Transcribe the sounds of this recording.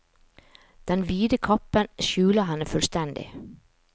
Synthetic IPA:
d̪̥ɛnʋiːd̪əkʰɑpənʃʉːləɦɛnəfœlst̪ɛnd̪ɪ̰

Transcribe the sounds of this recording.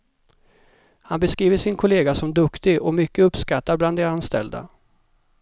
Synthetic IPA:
hanbɛskɾiːvəʂɪnkʰʊleːɡasɔmd̪ɵkt̪ɪɡɔmʏkːəɵpːskat̪ːaɾbland̪eanst̪ɛ̰ld̪a̰

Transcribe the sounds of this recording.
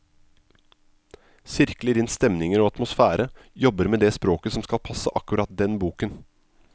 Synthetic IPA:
sɪɾkləɾɪnst̪ɛmnɪŋəɾoːɑt̪mʊsfæːɾʔə | jɔbəɾmeːd̪eːspɾoːkəsɔmskɑlpʰɑsəʔɑkʉɾɑt̪̚d̪ɛnbuːkən

